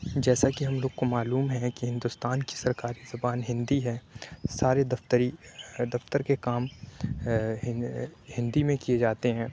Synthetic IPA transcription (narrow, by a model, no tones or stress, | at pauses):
d͡ʒɛːsakiɦɐmloːɡ̚komaːluːmɦɛ̃kiɦɪ̃nd̪ʊst̪aːnki̥sɐɾkaːɾiz̥ɐbaːnɦɪ̃nd̪iɦɛːsaːɾed̪ɐft̪əɾid̪ɐft̪əɾkekaːm | hɪ̃nd̪imẽkied͡ʒaːt̪eɦɛ̃ː